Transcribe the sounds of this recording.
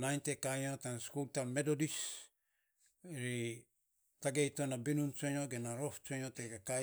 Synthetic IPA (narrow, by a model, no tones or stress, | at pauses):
najntekajatanskultamedodis | ɾi | taɡejtonabinunt͡ʃeɲoɡenaɾoft͡ʃeɲoteɡaka